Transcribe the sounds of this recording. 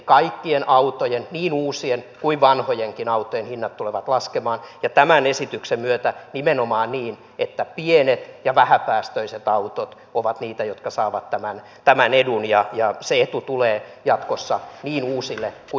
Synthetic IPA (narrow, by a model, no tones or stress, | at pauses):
kɑikːienʔɑut̪ojenniːnuːsienkuiʋʋɑnhojeŋkinɑut̪ːojenhinːɑt̪t̪ːuleʋɑt̪lɑskemɑːnjɑt̪æmænesit̪yksemmyøt̪ænimenomɑːnniːn | et̪ːæpienet̪jɑʋæhæpæːst̪øiset̪ɑut̪ot̪ | oʋɑt̪niːt̪æjot̪kɑsɑːʋɑt̪tæmæn | t̪æmænedunjɑjɑseet̪ut̪uleːjɑt̪kosːɑniːnuːsilːeku